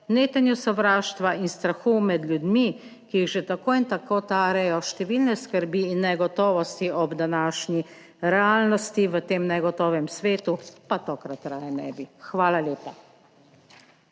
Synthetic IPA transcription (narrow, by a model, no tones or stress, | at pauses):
neːt̪ɛnjusɔʋɾaːʃt̪ʋainst̪ɾaxumɛd̪lʲjud̪mi | kijiɣʒɛt̪akoːint̪akoːt̪aːɾɛjɔʃt̪ɛʋiːlnɛskəɾbiːnːɛɡɔt̪ɔːʋɔst̪iɔbd̪anaːʃnʲi | ɾɛaːlnɔst̪iʋət̪eːmnɛɡɔt̪ɔːʋɛmsʋeːt̪upat̪oːkɾat̪ːɾajɛnɛ̰ːbixʋaːlaljeːpa